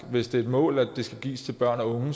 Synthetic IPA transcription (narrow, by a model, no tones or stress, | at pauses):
ʋe̝sd̥e̝æɐed̥mɔ̰̽ːlæd̥ːe̝sɡ̥æɡ̥ḭːst͡sʰe̝lb̥ɶɐ̰nɒɔ̽ŋ